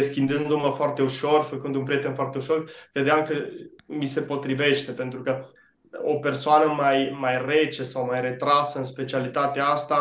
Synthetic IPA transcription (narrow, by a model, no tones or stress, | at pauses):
eskʲind̪ɨnd̪oməfoart̪e̞uʃo̞rfəkɨnd̪unpɾije̞t̪enfoart̪e̞uʃo̞rkɾed̪eamkəmise̞po̞t̪ɾive̞ʃt̪e̞pe̞nt̪ɾukə | ope̞rsoanəmajmajre̞t͡ʃesawmajre̞t̪ɾasəɨnspe̞t͡ʃialit̪at̪eaast̪a